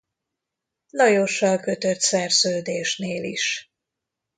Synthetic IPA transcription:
lɒjoʃːɒlkø̞t̪øt̪sɛrzøːd̪eːʃneːlḭʃ

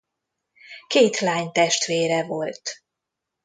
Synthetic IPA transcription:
keːt̪laːɲt̪ɛʃt̪ʋeːɾɛvo̞lt̪

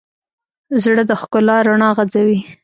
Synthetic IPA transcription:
zɽəd̪əxkʊlɑɾaɳɑɣad͡zawi

